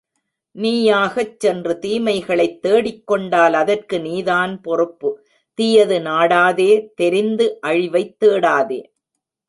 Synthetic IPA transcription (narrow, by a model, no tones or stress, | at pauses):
niːjaːɣɐt͡ʃsɛndrɯt̪iːmɐɪɣɐɭɐɪt̪ːeːɽɪkːɔɳɖaːlɐðɐrkɯniːðaːnpɔrɯpːɯ | t̪ɪjɐðɯnaːɽaːðeːt̪ɛɾɪnd̪ɯʔɐɻɪʋɐɪt̪ːeːɽaːðeː